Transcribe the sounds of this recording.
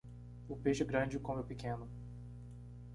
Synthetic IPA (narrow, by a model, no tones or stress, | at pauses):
ʊpeʃʊɡɾɐ̃d͡ʒɪkõmɛwpikẽnʊ